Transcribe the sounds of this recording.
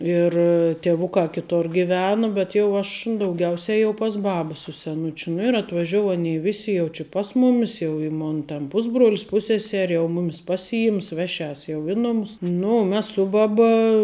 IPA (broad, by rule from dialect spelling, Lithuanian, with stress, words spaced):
ˈɪr tʲiɛˈʋʊkɑː kʲɪˈtoːr ɡʲɪˈʋʲæːnʊ bʲɛt jɛʊ ˈɐʃ dɐʊˈɡʲɛʊsʲɛ jɛʊ pɐs ˈbɑːbɐ sʊ sʲɛˈnʊt͡ʃʲʊ nʊ ɪr ɐtʋɐˈʒʲoːʊ ˈɑːnʲɛɪ ˈʋʲɪsʲɪ jɛʊ t͡ʃʲɪ ˈpɐs mʊmʲɪs jɛʊ ɪ ˈmoːn tʲɛn ˈpʊzbruɔlʲɪs ˈpʊsʲsʲɛsʲɛrʲɪ jɛʊ ˈmʊmʲɪs ˈpɑːsʲɪˌɪms ˈʋʲæːˌʃʲɛs jɛʊ ˈɪ nʊmʊs ˈnʊ ʊ ˈmʲɛs ˈsʊ bɐˌbɐ